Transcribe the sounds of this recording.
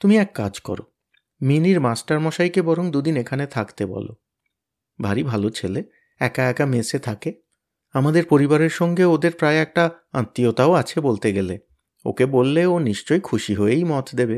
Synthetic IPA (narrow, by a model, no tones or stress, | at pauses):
t̪umiɛkːad͡ʑkɔ̰ɾo̰ | miniɾmasʈaɾmɔʃajkebɔɾoŋd̪ud̪inekʰanet̪ʰakt̪ebɔ̰lo̰ | bʱaɾibʱalot͡ɕʰele | ɛkaɛkameset̪ʰake | amad̪eɾpoɾibaɾeɾʃɔŋɡeod̪eɾpɾaeɛk̚ʈa | ã̰t̪ːiot̪aoat͡ɕʰebolt̪eɡele | o̰kebolːeoniʃt͡ɕojkʰuʃiɦoejmɔt̪ʰd̪ebe